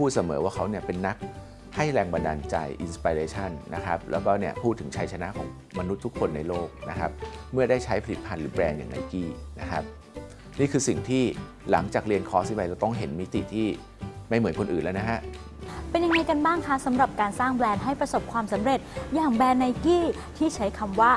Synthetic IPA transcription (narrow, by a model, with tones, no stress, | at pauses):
pʰuː˥˩t̪̚sa˦mɤ̰ː˩˦waː˥˩kʰa˦˥wni˥˩əpe˧nːa˦˥k̚ | ha˥˩jɾɛː˧ŋba˧nda̰ː˧nt͡ɕa̰˧jʔi˧nspa˧ɾeː˧t͡ɕʰa˥˩nːna̰˦˥kʰa˦˥p̚lʔɛ̰ː˦˥wkɔː˥˩ni˥˩ɐpʰuː˥˩t̪ʰːɯ˩˦ŋt͡ɕʰa˧˥jt͡ɕʰa˧na˦˥ʔkʰɔ̰ː˩˦ŋ | ma˧nu˦˥t̪ʰːu˥kʰːo˧nːa˧jloː˥˩k̚na˦˥kʰa˦˥p̚mɯ˥˩ɐdaː˥˩jt͡ɕʰa˦˥jpʰa˧li˨˩t̪̚pʰa˧nɾɯː˩˦blɛː˧nja̰ː˨˩ŋna̰˧jkiː˥˩na˦˥kʰa˦˥p̚ | niː˥˩kʰɯː˧si˨˩ŋt̪ʰiː˥˩ | la˩˦ŋt͡ɕaː˨˩k̚ɾi˧ənkʰɔː˦˥si˦˩pa˧jlɛː˦˥wt̪ɔ˥˩ŋɦe˩˦nmi˦˥t̪ḭ˨t̪ʰiː˥˩ | ma˥˩jmɯ˩˦nkʰo˧nʔɯː˨˩nlːwna˦˥kʰa˦˥ʔ | pe˧nja˧ŋːa˧jka˧nbaː˥˩ŋkʰa˦˥sa˩˦mɾa˨˩p̚kaː˧nsaː˥˩ŋblɛː˧nɦa˥˩jpɾa˧so˨˩p̚kʰwaː˧msa˩˦mɾe˨˩t̪̚jaː˨˩ŋbɛː˧nːa˧jkiː˥˩ | t̪ʰiː˥˩t͡ɕʰa˦˥jkʰa˧mwaː˥˩